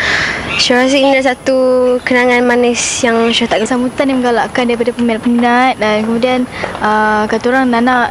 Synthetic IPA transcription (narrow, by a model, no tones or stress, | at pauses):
ʃaɾas̬inidas̬at̪ukənaŋanmanɛsjaŋʃat̪aʔɡəsamut̪animəŋɡalaʔkandaɾip̬adapəmpəminat̪̚dankəmudianəkat̪uɾaŋnanaʔ